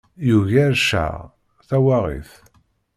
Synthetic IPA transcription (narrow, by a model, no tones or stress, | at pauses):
juʝæɾʃa̰ | θæwaʁḭθ